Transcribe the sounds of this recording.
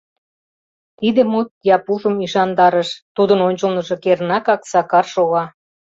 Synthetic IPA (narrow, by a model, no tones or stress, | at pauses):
t̪id̪ĕmut̪̚jɑpuʒə̆miʃɑnd̪ɑɾəʃt̪ud̪ənonʲt͡ɕəlnə̆ʒŏkernɑkɑksɑkɑrʃoɣɑ